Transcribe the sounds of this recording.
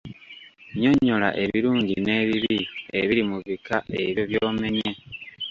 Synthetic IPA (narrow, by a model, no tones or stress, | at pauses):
ɲo̞ɲːo̞la̰ʔe̞βiɾuːɲɟine̞ːβiβieβiɾimuβikaʔe̞̰βjo̞βjoːme̞ɲje